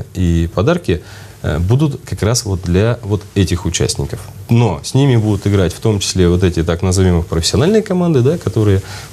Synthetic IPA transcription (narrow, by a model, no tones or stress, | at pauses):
ipɐd̪arkʲɪ | ə̰bud̪ʊt̪kɐkɾasvo̞t̪̚d̪lʲɐvo̞t̪ɛtʲɪxʊt͡ɕæ̰sʲnʲɪ̰kəfno̞sʲnʲimʲɪbud̪ʊt̪ɨɡɾatʲft̪o̞mt͡ɕɪ̥sʲlʲevo̞t̪̬ɛtʲɪt̪aknəzɐvʲimɨxpɾəfʲɪ̥sʲɪɐnalʲnɨjəkɐmand̪ɨd̪akɐt̪o̞ɾɨjə